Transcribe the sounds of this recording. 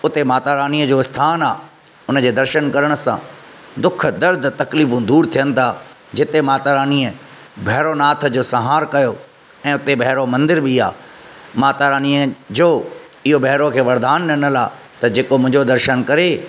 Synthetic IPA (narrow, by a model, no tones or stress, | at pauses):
ʊt̪emaːt̪aːɾaːniːəd͡ʑoːɪst̪ʰaːnaː | ʊnəd͡ʑeːd̪ɐɾʃənkɐɾəɽ̃ə̆sã̰ː | d̪ʊk̆ʰd̪ɐɾd̪ʱt̪ɐkliːfũd̪uːɾt̪ʰijənɪ̆t̪ʰaː | d͡ʑɪt̪emaːt̪aːɾaːniːə | bʱɛɦɾonaːt̪ʰd͡ʑoːsɐɦaːɾkɐjo | ɛ̃ːʊt̪ebɐɦɾomɐ̃nd̪ɪɾbʱia̰ː | maːt̪aːɾaːniəd͡ʑoː | ɪɦobɐɦɾokʰeːʋɐɾd̪aːnːɐnəlaː | t̪ɐd͡ʑeːkomʊ̃ɦɪ̃d͡ʑod̪ɐɾʃənkɐɾe